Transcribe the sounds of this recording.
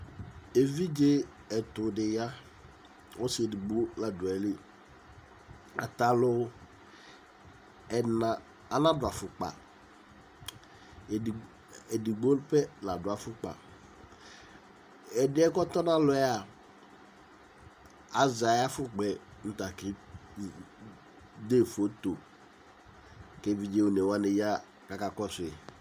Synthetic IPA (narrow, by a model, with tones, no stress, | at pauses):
e˨vi˦d͡ʒe˦ | ɛ˨t̪ʊ˨dɪ˨ja˦ | wo˦sɪ˨e˨dɪ˨ɡ͡bo˦la˨dʊ˨ɛ˨lɪ˦ | a˨t̪a˨lʊ˦ | ɛ˨nã˨ | a˨nã˦dʊ˨a˨fʊ˨k͡pa̰˨ | ɛ˨dɪ˨ɡ͡bo˦lpɛ˦na˨dʊ˨a˨fʊ˦k͡pa̰˨ | ɛ˨dɪ˦ɛ˦kɔ˦t̪ɔ˦nã˦lʊ˨˦a˨ | a˨za˨ja˦fʊ˦k͡pɛ˨n̩˦t̪a˨kɪ˦ | d̪e˦˨fo˦t̪o˨ | ke˦vi˨˦d͡ʒe˦wo˨ne˨wa˦ne˨ja˦ | ka˨ka˦kɔ˦sʊ˨e˨